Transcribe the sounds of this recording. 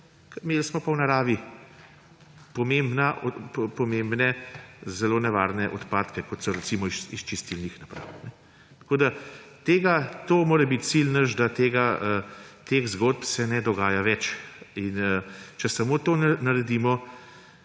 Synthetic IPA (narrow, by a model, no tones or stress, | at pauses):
kmeːlsmɔpawnaɾaːʋi | pɔmembnaʔpɔmembnɛzɛloːnɛʋaːɾnɛʔɔt̪paːt̪kɛkɔt̪sɔɾɛsimɔisist͡ʃist̪ilnixnapɾa̰wnɛ | t̪koːd̪at̪eːɡat̪oːmoːɾɛbit̪̚t͡ssilnəʒd̪at̪eːɡaət̪eɣzɡoːd̪̚psɛnɛd̪ɔɡaːjaʋɛt͡ʃinət͡ʃɛsamoːt̪oːnnɐɾɛd̪iːmɔ